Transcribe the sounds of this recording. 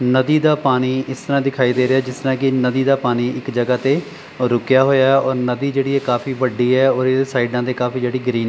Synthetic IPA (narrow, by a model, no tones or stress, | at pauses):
nəd̪iːd̪aːpaːñiːɪst̪əɾãːd̪ɪkʰaːiːd̪eːɾɪaːd͡ʒɪst̪əɾãːkɪnəd̪iːd̪aːpaːñiːɪkd͡ʒəɡaːt̪eː | ɾʊkjaːɦoːjaːɛɔːɾnəd̪iːd͡ʒeːɽiːɛːkaːfiːʋəɖiːɛːɔːɾeesaːiːɖãːd̪eːkaːfiːd͡ʒeːɽiːɡɾiːn